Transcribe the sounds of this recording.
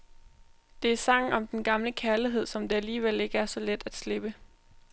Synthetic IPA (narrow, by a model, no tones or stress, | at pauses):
d̥e̝æɐsɑ̈ŋ̰̩ɒ̽md̥enɡ̥ɑ̈mləkʰæɐliɦe̝ð̞̰ˠsɒ̽md̥e̝æliːʋel̰e̝ɡ̥əæɐsɒ̽led̥æd̥sle̝b̥ə